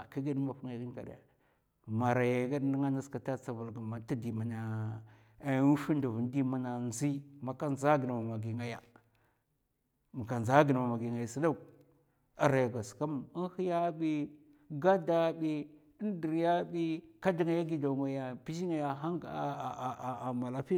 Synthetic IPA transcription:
ki˦ɡi˦dma˨fu˦ŋa˨ɡi˦n˦ka̰˨da̰˨ | ma˨ɾa˨ja˨˦ɡa˦dni˦ŋa˦na˦ska˨ta˦t͡sa˨vu˨lɡa˨ma˨ti˦di˨ma˨na˨˦ | u˦fi˦ndu˨vu˨n˦di˦ma˦na˨nzi˦ma˨ka˦nza˦ɡi˨na˨ma˨ma˨ɡi˨ŋa˦ja̰˨ | mu˨ka˨nza˦ɡi˨na˨ma˨ma˨ɡi˨ŋɡa˨ja˨si˦da˦˨ | a˨ɾa˨ja˨ɡʷa˨ska˦m˨i˦n˦hi˦ja˦bi˦ | ɡa˦da˦bi˦ | i˦n˦di˨ɾja˦bi˦ka˦di˨ŋa˨ja˦ɡi˦da˨ŋɡa˨ja˨pi˦ʃi˦ŋa˨ja˨ɦa˦ŋɡma˨la˦pi˦

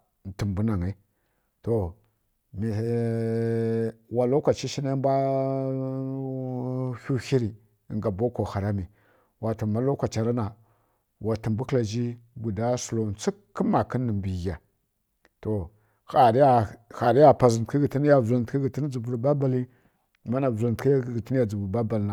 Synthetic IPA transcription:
n˨tə˨mbu˦na˨ŋe˦ | to˨ | mi˨ | wa˨lo˦kʷa˨t͡ʃi˦ʃi˦na˦mbʷa˦ | hu˦hi˦ɾi˨ | ŋɡa˨bo˦ko˨xa˨ɾa˦mi˨ | wa˨tu˨ma˦lo˦kʷa˨t͡ʃa˨ɾa˦na˨ | wa˨ti˨mbu˦kla˨d͡ʒi˦bu˨da˦su˨lo˨nt͡si˦kːə˦ma˨kə˦nːə˨mbi˨ɣa˨ | to˨ | xa˨ɾi˦ja˦xa˨ɾi˦ja˦pa˨zə˨n˨ki˦ɡi˨ti˦n˦ja˦va˨tki˦ɡi˨ti˦n˦d͡zu˨bu˨ɾba˦ba˨li˦˨ | ma˦na˨va˨ki˦˨ɡi˨ti˦n˦ja˨d͡zu˨bu˨ɾba˦ba˨lna˨

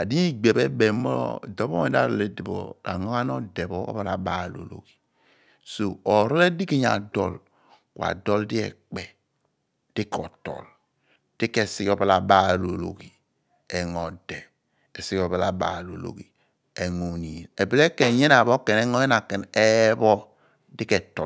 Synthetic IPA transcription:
a˨di˦i˦ɡ͡be˨be˦be˨mɔ̰˦˨do˦bɔ˦me˨da̰˦˨ɾɔ˨le˦di˨bɔ̰˨a̰˨ŋo˦ka˦nɔ˦de˨bɔ̰˦ba˦la˨ba˦˨lo̰˨lo̰˨ɡi̥˨ | so˨ɔ˨ɾɔ˦le˦di˦ki˦ɲa̰˨dɔ˦˨l | kwa̰˨dɔ˦ldi˦ɛ̰˨k͡pɛ˨ | d̥i˦kɔ˨tɔ̰˨l | d̥i˦kɛ˨si˦kɔ˦˨ba˦la˨ba˦˨lo˨lo̰˨ɡi˨ | ɛ˨ŋɔ˨dɛ˨ | e˨si˦kɔ˨ba˦la˨ba̰˨˦˨lo˨lo̰˨ɡi˨ | e˨ŋo˨ni˨i˨ne˨bi˦le˦kɛ˨ɲe˦na˨bo˦kɛ˨nɛ˦ŋ˦ɔ˦jɛ˦na˨kɛ˨ne˦βɔ˦ | di˦kɛ˨tɔ˨

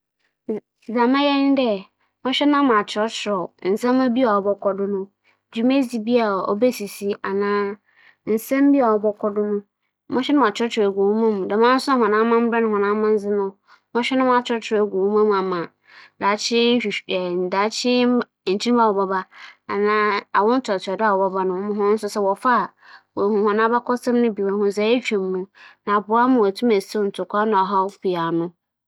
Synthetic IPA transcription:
za˨mã˦jɛ˦n˦dɛ˦ | mɔ̃˦ɕᶣɛ˦nã˦m̃˨a˨t͡ɕʰɔ˦t͡ɕʰɪ˨ɾɔ˨n̩˨sã˦mã˦bi˦a˨ɔ˨bɔ˦kʰɔ˦dʊ˦nʊ̃˦ | d͡ʑu˨mẽ˦si˨bi˦a˨ɔ̰˨be˦si˨si˦a˨nãː˦ | n̩˨sã˦m˦bi˦a˨ɔ˨bɔ˦kʰɔ˦dʊ˦nʊ̃˦ | mɔ̃˦ɕᶣɛ˦nʊ̃˦˨a˨t͡ʃʰᶣɔ˦t͡ʃʰe˨ɡʷo˨wu˦mã˦mũ˨da˨mã˦n̩˦sʊ˦ã˦hɔ̃˨nã˦mã˦m̩˦bɾã˦ñ˨hɔ̃˨nã˦mã˦n̩˦zɪ˦nʊ̃˦ | mɔ̃˦ɕᶣɛ˦nʊ̃˦m˦a˨t͡ɕʰᶣɪ˦ɾtʰɪ˨ɾɛ˨ɡʷo˨wu˦mã˦mũ˨a˨mã˨ | daː˨˦t͡ɕʰɪ˦˨ɛ˨n̩˨da˨˦t͡ɕʰɪ˦˨ | t͡ɕʰi˦ba˦˨wɔ˨bɔ˦ba˦a˨nãː˦a˨wɔ̃˦n̩˦tʰɔ˨tʰda˦a˦˨wɔ˨bɔ˦ba˦nʊ̃˨˦mʊ̃˦ɦʊ̃˦n̩˦sʊ˦sɛ˦wɔ˨fa˦˨ | wɔ˨hũ˨hɔ̃˨nã˦ba˦kʰɔ˦sɛ̃˦m˦nʊ̃˦bi˨wa˨hʊ̃˦˨za˨˦e˦t͡ɕᶣɛ̃˨mː˨ũ˨nã˨bʊ˨a˦mʊ̃˨wæ˨tʰũ˦mæ˨se˦n̩˨tʰʊ˨kʰʷa˦nã˨ɔ˨ɦa˦pi˨a˨nʊ̃˦

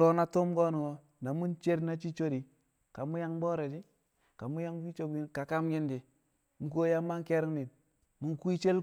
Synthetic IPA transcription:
o˦na˦to˦mɡo˦nu˨ŋo˦ | na˨mu˦nt͡ʃe˦ɾna˦t͡ʃi˦t͡ʃo˦ɾi˨ | ka˨mu˦ja˦ŋbo˦ɾe˨d͡ʒi˦ | ka˨mu˦ja˦ŋfi˦t͡ʃo˦bi˦nka˨ka˦mɡi˦ndi˨ | mu˨ko˦ja˦mːa˦ŋke˦ɾi˦ŋni˨n | mu˨ŋkʷi˦t͡ʃe˦l

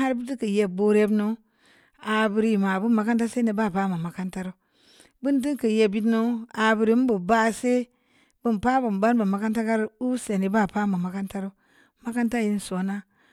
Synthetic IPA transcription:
ha˦ɾbu˦ti˦kə˨je˨bo˦ɾe˦bno˦ | a˨bu˨ɾi˨ma˨bu˦ma˨ka˦nta˦se˦ne˨ba˦˨pa˦ma˨ma˨ka˦nta˦ɾo˦ | bu˦ndi˦kə˨je˦˨bi˦tno˦a˨bu˨ɾi˨˦m˦bu˨ba˦se˦ | bu˦n˨pa˦bu˨mba˦n˦bu˨ma˨ka˦nta˦ka˦ɾu˦se˨ne˨ba˦˨pa˦ma˨ma˨ka˦nta˦ɾo˦ | ma˦ka˦nta˦ji˦n˨so˨na˦

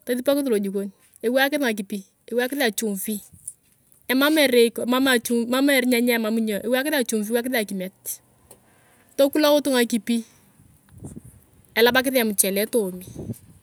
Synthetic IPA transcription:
ta˦ti˦pa˦kɪ˦tlo˨d͡ʒu˨ko˦n | e˨wa˦kɪ˦tŋa˨k̬i˨pi˦ | e˨wa˦kɪ˦ða˨t͡ʃʊ˨ɱfi˦ | ɛ˨ma˦mɛ˨ɾe˨kma˦ma˨t͡ʃu˦ma˦mɛ˨ɾɲɛ˦ɲɛ˦˨ma˦mu˦ɲɔ˨ʔe˦wa˦kɪ˦ta˨t͡ʃu˨ɱfi˦wa˦k̬ɪ˦ta˨ki˨mɛ˨t̚ | to˦ku˦la˦kʊ˦tʊ˦ŋa˨ki˨pi˦ | ɛ˨la˦ba˦k̬ɪ˦ða˨mʊ˨t͡ʃɛ˨lɛ˦to˨mi˨

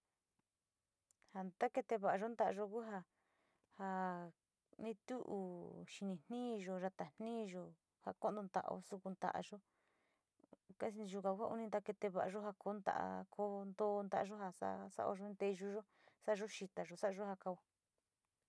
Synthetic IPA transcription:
ha˧nt̪a˦ke˧t̪e˧βa˨ʔa˧ʒo˦nd̪a˧ʔa˧ʒo˧ku˦ɦa˧ | ha˧ | nĩ˧t̪u˦ʔṵ˧ʃi˧nĩ˧n̥nĩː˦˧ʒo˧ʒa˧t̪a˨n̥nĩː˦˧ʒo˧ | ha˧ko˦ʔn˧d̪o˧nd̪a̰˧ʔo̰˧su˧ku˧nd̪a̰˨ʔa̰˧ʒo˦ | ka˦˧ʒu˧kã˨˧ku˦a˦˧ʔṵ˧nĩ˧nd̪a˧ke˧t̪e˧βa˧ʔa˧ʒo˦ɦa˧ko˨˦nd̪a̰˧˨˧kʰo˧˦nd̪o˦˧nd̪a˧a˧ʒo˦ɦa˧sa̰˦sa̰˦ʔo̰˧ʒõ˧˦nt̪e˧ʒu˧ʒo˦ | sa˦ʔa˧ʒo˦ʃi˧t̪a˨ʒo˧sa˦ʔa˧ʒo˦ha˧ka˧u˧

